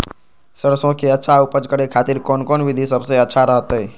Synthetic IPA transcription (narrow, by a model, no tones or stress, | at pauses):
səɾsõkeətːʃʰaʊpəd͡ʒkəɾekʰaːt̪iɾkoːnkoːnʋɪd̪ʱisəbseətːʃʰaɾəɦət̪ɦɛː